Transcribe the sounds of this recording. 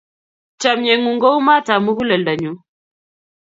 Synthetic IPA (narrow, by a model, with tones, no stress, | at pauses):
t͡ʃa˨mɲɛ˨ŋu˨ŋɡo˦wma˦ta˨mu˦hu˦lə˨lda˨ɲu˨˦